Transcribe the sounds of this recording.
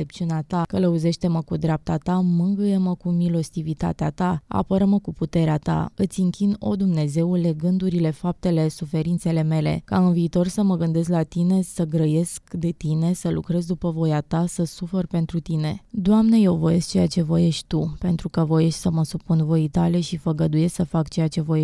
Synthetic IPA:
ep̚t͡ʃiuneat̪akələuze̞ʃt̪e̞məkud̪ɾeap̚t̪at̪amɨŋɡɨjeməkumilost̪ivit̪a̰t̪eat̪aa̰pəɾəməkuput̪e̞ɾeat̪a̰ɨt̪sʲɨŋkʲino̞̰d̪umne̞ze̞ule̞ɡɨnd̪uɾile̞fap̚t̪e̞le̞sufe̞ɾint̪se̞le̞me̞le̞̰kaɨnviːt̪o̞rsəməɡɨnd̪e̞zlat̪ine̞səɡɾəje̞skd̪e̞t̪ine̞səlukɾe̞zd̪upəvo̞jat̪asəsuferpe̞n̪t̪ɾut̪ine̞̰d̪oamne̞je̞wvo̞je̞skt͡ʃe̞jat͡ʃe̞vo̞je̞ʃt̪ʲt̪upe̞nt̪ɾukəvo̞je̞ʃt̪ʲsəməsupunvo̞it̪ale̞ʃifəɡəd̪uje̞sksəfakt͡ʃe̞jat͡ʃe̞vo̞je

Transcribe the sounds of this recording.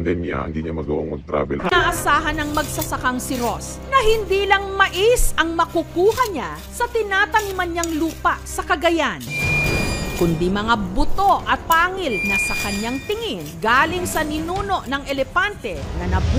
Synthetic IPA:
d̪ɛna̰ɪnd̪iɲamɐɡo̰ʔoŋmɐɡ̚t̪ɾa̰ːbɛlnaʔɐsaːɦɐnɐŋmɐɡ̚sɐsɐkaŋsɪɾo̞s | nɐhɪnd̪iːlɐŋmɐʔisɐŋmɐkʊkuːhɐɲa | sɐt̪ɪnaːt̪ɐmimɐnɲaŋluːpɐʔsɐkɐɡɐjan | kʊnd̪imɐŋabʊt̪o̞ʔɐt̪̚paːŋɪlnɐsɐkɐɲaŋt̪ɪŋinɡaːlɪŋsɐnɪnuːno̞ʔnɐŋɛlɛfant̪ɛnɐnɐb

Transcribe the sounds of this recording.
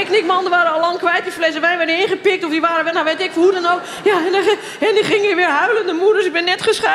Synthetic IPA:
ɛknɪkmɔndəʋaːɾəɔlɔŋkʋɛjt̚diflɛsəʋɛjnʋɛɹdəɪnɣəpɪk̚tɔfdiʋaːɾəʋɛnaʋejtɪkfhudɔnowk | jaɛn | hɛdiχɪŋəɪʋɪɹɦœɥləndəmuədəsɪɡ̚bɪnːɛtχəsχa

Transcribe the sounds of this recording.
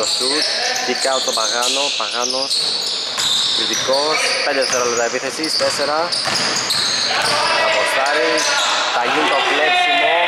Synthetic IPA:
osut̪ | d̪ikaot̪opɐɣɐnopɐɣɐnos | iðikosped̪eteseɾɐlet̪ɐepiθesist̪eseɾɐ | ɐposɐɾis | t̪ɐɲint̪oplepsimo

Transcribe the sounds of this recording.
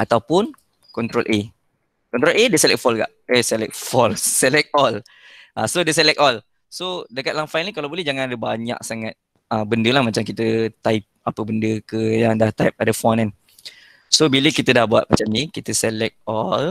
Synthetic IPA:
ʔat̪awpʊn | kɔnt̪ɾolʔe | kɔnt̪ɾolʔedəsɛlɛ̰k̚fɔlka̰ʔesɛlɛk̚fɔlsɛlɛk̚ɔl | ʔasodəsɛlɛk̚ɔl | sodəkat̪lahfajnəlikalawbolɛhd͡ʒaŋãnadəbaɲa̰k̚saŋat̪̚ | əbəndəlahmat͡ʃamkit̪ət̪aip̚apəbəndəkəjaŋdaht̪aip̚adəfɔnan | sobiləkit̪ədahbua̰t̪̚mat͡ʃamnikit̪əsɛlɛk̚ɔl

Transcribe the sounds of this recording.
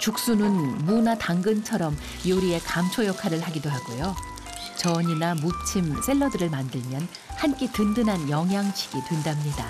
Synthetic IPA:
t͡ɕuk̚s͈unɯnmunataŋɡɯnt͡ɕʰʌɾʌm | joɾie̞kamt͡ɕʰojʌkʰaɾɯɭhaɡidoɦaɡujo | t͡ɕʌɲinamup̚t͡ɕʰims͈ʰe̞ɭːʌdɯɾɯɭmandɯɭmjʌn | hank͈etɯndɯnɦanjʌŋɦjaŋt͡ɕʰi̥ɡ̥itwe̞ndamɲida̰

